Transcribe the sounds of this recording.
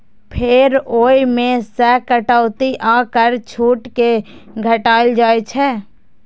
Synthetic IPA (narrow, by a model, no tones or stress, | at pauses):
pʰɪɾoːimẽsɛːkəʈəʊt̪iʔãːkəɾt͡ʃʰuːʈkeɡʱəʈaːɪld͡ʒaːet͡ʃʰɛː